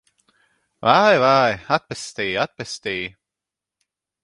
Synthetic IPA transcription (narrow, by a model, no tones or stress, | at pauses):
vajvaːjat̪̚pɛst̪iːat̪̚pɛst̪iː